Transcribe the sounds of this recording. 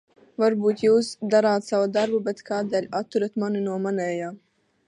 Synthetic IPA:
vaɾbuːt̪juːsd̪aɾaːt̪savud̪aɾbubɛt̪kaːd̪ɛlʲat̪ːuɾat̪maninuɔmanʲɛːjaː

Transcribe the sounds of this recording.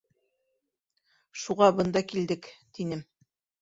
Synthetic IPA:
ʃuʁɑbɤ̆nd̪ɑkild̪ɘkt̪inɘm

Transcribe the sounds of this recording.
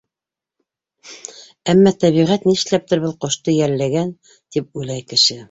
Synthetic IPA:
æmːæt̪æβiʁæt̪niʃlæp̚t̪ɘɾβɤlˠqŏʃt̪ɤjæɾlæɡæn | t̪ip̚ʉlæjkɘ̆ʃɘ

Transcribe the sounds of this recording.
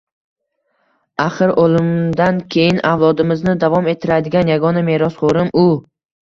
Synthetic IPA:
aχɨɾʔolɪmd̪ankʲʰe̞jɪnʔavlˠɒd̪ɪmɪznɪd̪avɒme̞t̪ʰːɪɾad̪ɪɡʲanjaɡɒname̞ɾɒsχoɾɪmʔʊ

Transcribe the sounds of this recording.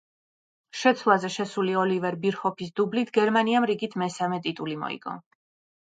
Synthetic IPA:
ʃɛt̪sʰlˠazɛʃɛsuliɔlivɛɾbiɾχɔpʰis̬d̪ublit̪ʰɡɛɾmaniamɾiɡit̪ʰmɛsamɛt̪ʼit̪ʼulimɔ̰ḭɡ̥ɔ̰

